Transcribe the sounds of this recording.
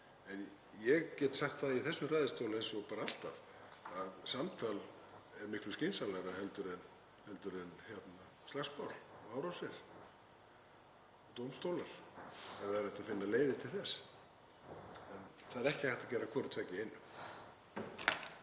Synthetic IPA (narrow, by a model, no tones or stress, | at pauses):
ɛn | jɛɣcɛːt̪saxt̪θaðaiθɛsːʏmraːjðɪst̪owlʏejnsɔɣpaːɾaal̥t̪av | aðsamt̪ʰal | ɛɾmɪhklʏscinsalaɾahɛlt̪ʏɾɛn | hɛlt̪ʏɾɛnçjɛt̪na | st̪laxsmawlaːwɾawsɛɾ̥ | t̪owmst̪owlaɾ̥ɛɾaðɾɛht̪aðfɪnːaleːjðɪt̪ʰɪlθɛs | ɛnθaðɛɾɛhcɪhaht̪acɛːɾakʰvɔːɾʏt̪ʰɛːcɪejnːʏm